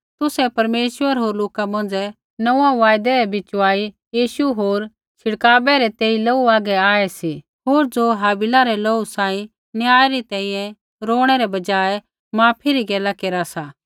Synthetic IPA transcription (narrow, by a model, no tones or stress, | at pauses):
t̪ʊsɛpɐɾmeːʃʋəɾɦoːɾloːkamɐ̃n̆d͡zɛ | nɐ̃ãʋaːjd̪ɛɾɛbɪt͡ʃaːi | jiːʃuɦoːɾ | t͡ʃʰɪɽkaːbɛɾɛt̪eːilɐuaːɡɛaːɛsi | ɦoːɾd͡zoɦaːbɪlaɾɛlousaːĩ | njaːɛɾit̪ɛ̃ĩjɛ̃ | ɾoːɽ̃ɛɾɛbɐd͡ʒaːɛ | mãːpʰiɾiɡɛːlakeɾasaː